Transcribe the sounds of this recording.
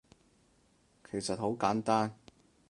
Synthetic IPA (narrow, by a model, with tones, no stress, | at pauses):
kʰe˨˩jsɐ˨t̚ho˨˥wkaː˨˥nt̪aː˥n